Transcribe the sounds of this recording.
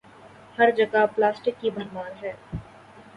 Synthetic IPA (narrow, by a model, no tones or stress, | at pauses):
hɐɾd͡ʒɐɡaplaːsʈɪkːibɐɾmaːɾɦɛː